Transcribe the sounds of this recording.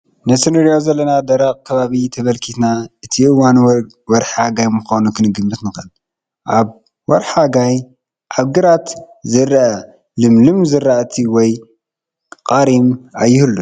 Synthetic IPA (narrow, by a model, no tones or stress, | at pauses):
nɐsɨnɐɾijozɐlːɐnad̪ɐɾɐqʼkʰɐβaβit̪ʰɐβɐlkʰit̪naʔɨt̪ʰiʔɨwan | wɔɾħaɡajmɨxonukʰɨnɨɡɨmːɨt̪nɨxɐl | ʔaβ | wɔɾħaɡaj | ʕaβɡɨɾat̪ | zɨɾa | lɨmlɨmzɨraʔt̪ʰiwɔj | qʼaɾimajːɪhɨlːu